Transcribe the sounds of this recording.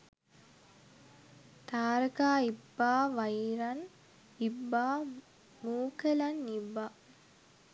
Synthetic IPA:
t̪aːɾəkaːibːaːʋɐjiɾɐn | ibːaː | muːkelɐnːibːa

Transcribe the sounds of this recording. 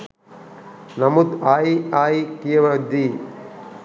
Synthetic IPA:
nɐmud̪aːjiaːjikijɐʋɐd̪i

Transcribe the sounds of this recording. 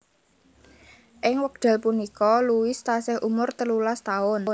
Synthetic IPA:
ʔɪŋwək̚d̪̥a̤lpunikɔluwɪst̪asɪhʔumʊrt̪əlulast̪aʊn

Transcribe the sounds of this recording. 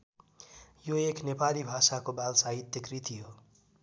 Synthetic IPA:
joeknepalibʱasakobalsaɦit̪jəkɾit̪iɦo

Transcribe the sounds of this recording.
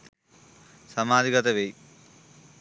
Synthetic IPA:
sɐmaːd̪ʱiɡɐt̪ɐʋej

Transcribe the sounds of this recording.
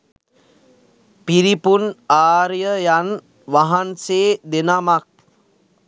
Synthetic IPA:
piɾipunaːɾjəjan | ʋaɦanseːd̪enamak̚

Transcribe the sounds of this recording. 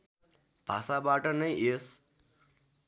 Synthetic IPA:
b̥ʱa̰sabaʈʌnʌjes

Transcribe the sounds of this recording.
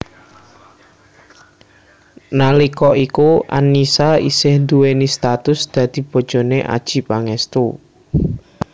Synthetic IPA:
nalikɔʔikuʔa̰nːisaisɪhnd̪uwenist̪at̪ʊsd̪̥ä̤d̪̥i̤b̥ɔ̤d̥ʒ̥ɔ̤neʔa̰d̥ʒ̥i̤paŋɛst̪u

